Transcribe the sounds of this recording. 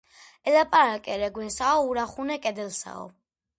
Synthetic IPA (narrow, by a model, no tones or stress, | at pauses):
ɛlapʼaɾakʼɛɾɛɡwɛnsaɔuɾaχunɛkʼɛd̪ɛlsa̰ɔ̰